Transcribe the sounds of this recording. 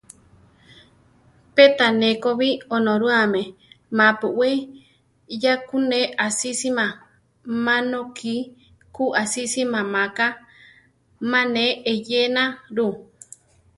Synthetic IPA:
pet̪anẽkoβionõɾuamẽmãpuʔwe | jakuneʔasisimã | mãnokʰi | kuʔasisimãmãka | mãnẽejenaɾu

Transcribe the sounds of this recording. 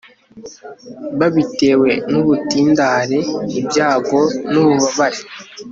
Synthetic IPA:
βaβite̞ːwe̞nuβutiːndaːɾeibjaːɡo̞nuβuβaβaɾe

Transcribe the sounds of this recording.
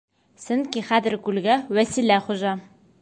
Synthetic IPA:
sɘ̆nkʲiχæðɘ̆ɾkʉlɡæwæsilæχuʒɑ

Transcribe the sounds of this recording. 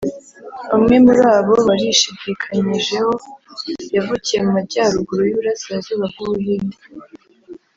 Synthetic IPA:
umŋe̞muɾaːβo̞βaɾiʃiɟikʰaɲiʒe̞ho̞ | javucije̞mumaɟaːɾuɡuɾojuβuɾasiazuβaβujini

